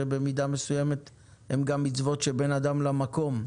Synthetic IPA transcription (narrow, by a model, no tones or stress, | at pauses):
ebemid̪ame̞sujeme̞t̪ | hemɡamːit͡svo̞t̪ʃebe̞nad̪amlamako̞m